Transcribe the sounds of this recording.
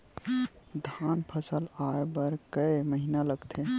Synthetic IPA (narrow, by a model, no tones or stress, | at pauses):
d̪ʱanpʰəsəlaebəɾkəeməɦinaləɡt̪ʰe